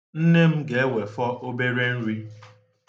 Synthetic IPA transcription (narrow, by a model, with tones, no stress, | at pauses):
n̩˦ne˦m̩˦ɡe˨e˦we˨fɔ˦ʔo˦be˦ɾe˦n̩˦ɾi˦